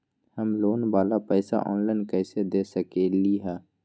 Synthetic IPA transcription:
həmloːnbaːlapɛːsa̰ʔɔ̰ːnlaɪnkɛːsed̪eːsəkeːliɦɛː

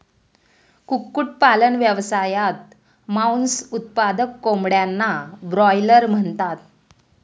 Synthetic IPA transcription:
kukːuʈ̚palənʋjəʋsajat̪̚ | maunsut̪̚pad̪əkːomɽjanːabɾɔjləɾm̤əɳt̪at̪̚

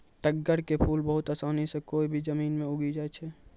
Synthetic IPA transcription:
ʈəɡːəɾkepʰuːlbəɦʊt̪asaːnisẽkoːibʱid͡ʒəmiːnmẽʊɡid͡ʒaːɛt͡ʃʰɛ

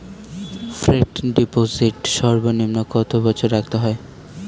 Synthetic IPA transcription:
fɾeʈɖipoziʈʃɔɾbonimnokɔt̪obɔt͡ɕʰoɾːak̚t̪eɦɔe

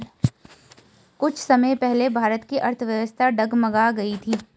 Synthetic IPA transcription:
kʊt͡ʃʰsɐməepɛɦlebʱaːɾət̪kiʔɐɾt̪ʰʋjɐʋəst̪ʰaɖɐɡmɐɡaɡɐit̪ʰiː

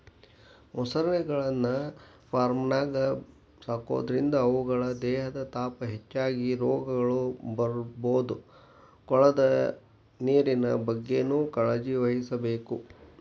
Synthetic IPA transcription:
musɐɾɐɳɛɡɐɭɐnːɐ | pʰaːɾmnaːɡɐ | saːko̰ːd̪ɐɾind̪ɐːʋuɡɐɭɐd̪ɛːɦɐd̪ɐt̪aːpɐɦet͡ʃːaːɡiɾɔːɡɐɡɐɭubɐɾboːd̪u | kɔɭɐd̪ɐ | neːɾinɐbɐɡːenuːkɐɭɐd͡ʒiʋɐɦisɐbeːku

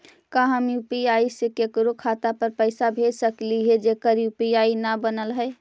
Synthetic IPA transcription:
kaɦəmjupiaisekekɾokʰat̪apəɾpəɪsabʱed͡ʒsəkliɦed͡ʒekəɾjupiainabənəlɦəɪ

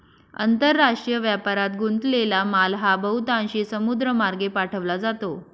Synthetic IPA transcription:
ə̰nt̪əɾːaʂʈɾijəʋjapaɾat̪̚ɡunt̪lelamalɦabəɦut̪ãɕiːsəmud̪ɾəmaɾɡepaʈʰəʋlad͡zat̪o

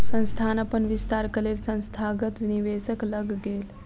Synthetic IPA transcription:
sə̃ñst̪ʰanapənʋist̪aɾkəlelsə̃ñst̪ʰaɡət̪ʋiniʋesəkləɡɡel

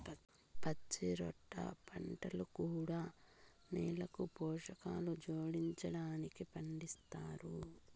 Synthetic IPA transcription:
pɐt͡ʃiɾɔ̰ʈːɐ̰pʰɐɳʈɐlukuːɽaː | niːlɐkupɔːʂɐkaːlud͡ʒoːɽiɲt͡ʃɐɽaːnikipɐɳɖist̪aːɾu

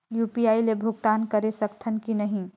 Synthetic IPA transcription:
jupiailebʱuɡ̚t̪ankəɾesəkt̪ʰənkinəɦĩ

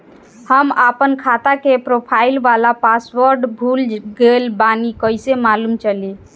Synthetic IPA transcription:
həmapənkʰat̪akepɾopʰailʋalapasʋəɾɖbʱulɡelbanikəjsemalumt͡ʃəli

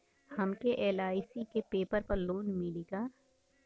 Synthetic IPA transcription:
hɐmkeʔeːlaːɪsikepeːpəɾpɐɾloːnmɪliɡaː

